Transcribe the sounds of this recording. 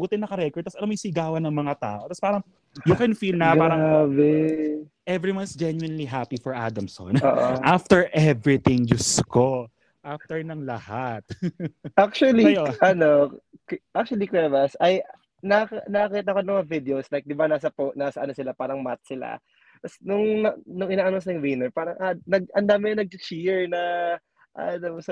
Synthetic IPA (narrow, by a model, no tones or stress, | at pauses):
buːt̪ɪnɐkɐɾɛkɔɹd̪̚ɐsʔɐlomɐjsɪɡaːwɐnɐŋmɐŋat̪a̰ːʔo̞t̪ɐspaːɾɐŋ | jokɛnfiːlnɐpaːɾɐbɛ | ʔɛvɹiwansd͡ʒɛnjuɪnliɦapifɔɹʔa̰d̪ɐmso̰noːʔoʔaft̪ɛɹʔɛvɹɪt̪ɪ̃ŋd͡ʒʊsko | ʔaft̪ɛɹnɐŋlɐhat̪̚ʔak̚t͡ʃuɐliʔɐno̞ | ʔak̚t͡ʃuɐlikɹɛvɐsɐj | nɐknɐkɐkiːt̪̬ɐɐkomɐŋɐvɪd̪ɛoslajk̚d̪ɪbanaːsɐponaːsɐʔɐnosɪlapaːɾɐŋmat̪̚sɪla̰ | t̪ɐsnʊŋnɐnʊŋɪnaːʔɐnosɪlɐjŋwɪnɛɹpaːɾɐŋʔanɐɡ̚ʔɐnd̪aːmɪɲɐnɐɡ̚t͡ʃɪt͡ʃiɹnɐ | ʔa̰nɐsɐ